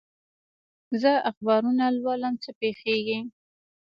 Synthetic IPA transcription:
zəaxbɑɾunalwɑləmt͡səpexeɡi

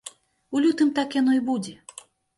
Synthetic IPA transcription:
ulʲut̪ɨmt̪akjanɔibud͡zʲɛ

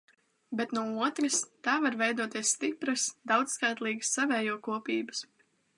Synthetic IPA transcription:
bɛt̪nuɔuɔt̪ɾɨst̪aːvaɾvɛjd̪uɔt̪iɛssːt̪ipɾɨsd̪awd̪zskajt̪lˠiːɡəsːavɛːjuɔkuɔpiːbəs

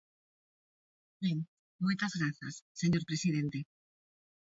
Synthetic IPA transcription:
beŋ | mojt̪azɣɾaθa̰sːeɲoɾpɾesiðent̪e

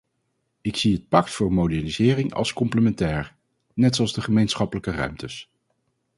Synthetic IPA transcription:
ɪksiɦət̚pɑktfʊːɹmowdɛnizɪːrɪŋɑ̰lˠskɔmpləmɛntɛːɹ | nɛtsʊɑlˠzdəχəmejnsχɑpələkərœ̰ɥmtəs

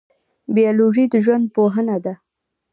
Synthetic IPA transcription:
bijɑloʒid̪əʒwand̪̚poɦənad̪a

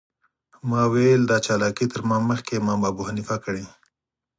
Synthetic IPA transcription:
mɑwejld̪ɑt͡ʃɑlɑkit̪əɾmaməxkemɑmɑbuɦanifakɽe

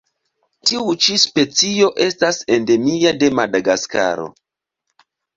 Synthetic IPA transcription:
tiut͡ʃispe̞t͡sio̞ʔe̞stase̞nde̞miade̞madaɡaska̰ɾo̞̰

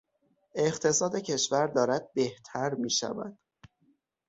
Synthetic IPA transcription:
e̞xt̪ʰe̞sɒːd̪e̞cʰe̞ʃvæɾd̪ɒːɾæd̪̥̚be̞ht̪ʰæɾmiːʃæ̰væ̰d̪̥

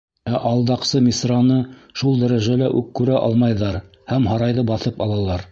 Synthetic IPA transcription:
æʔɑlˠd̪ɑqsɤmʲisrɑnɤʃulˠd̪æɾæʒælæʔʉkːʉɾæʔɑ̰lˠmɑjðɑɾ | hæmhɑɾɑjðɤbɑθɤpɑlˠɑlˠɑɾ

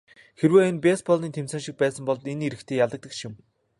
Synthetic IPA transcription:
xeɾweːenpʲespɔɮniːnt̪ʰemsæ̆ːŋʃĭk̚pæːsə̆mpɔɮt̪eneɾɘ̆kt̪ʰeːjaɮt̪ə̆k̚t̪ə̆kʃɪ̆m

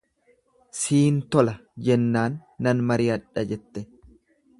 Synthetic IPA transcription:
siːnt̪ɔlɐd͡ʒɛnːaːnːɐnmɐɾɪːɐᶑɐd͡ʒɛt̪ːɛ

